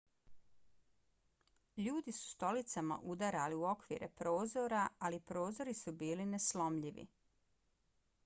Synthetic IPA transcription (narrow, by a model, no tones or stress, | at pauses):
ʎuːd̪isu̥st̪o̞lit̪sama̰ʔud̪aɾaliuo̞kʋḭːɾepɾo̞ːzoɾaalipɾo̞ːzo̞ɾisubiːlineslo̞mʎiʋḭ